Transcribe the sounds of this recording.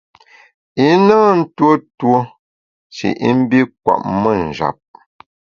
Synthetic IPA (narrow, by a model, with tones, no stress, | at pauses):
i˦naː˦n̩˦two˦two˦ | t͡ʃḭ˨ʔḭ˦m̩˦bi˦k̚wa̰˨ʔmə˦n̩˨d͡ʒa̰˨p̚